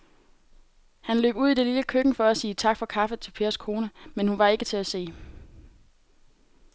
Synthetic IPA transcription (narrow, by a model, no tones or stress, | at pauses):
hænlø̰ːb̥uð̞̰ˠid̥e̝liləkʰøɡ̥ŋ̩fɒ̽æsiːt͡sʰɑ̈ɡ̥fɒ̽kʰɑ̈fət͡sʰe̝lpʰe̝ːɐskʰo̝ːnəmenhunʋɑ̈e̝ɡ̥ət͡sʰe̝æse̝̰ː